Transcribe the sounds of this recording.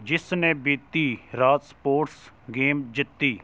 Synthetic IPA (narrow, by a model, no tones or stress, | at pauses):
d͡ʒɪsnebɪt̪ːiːɾaːt̪spoːʈs | ɡeːmd͡ʒɪt̪ːiː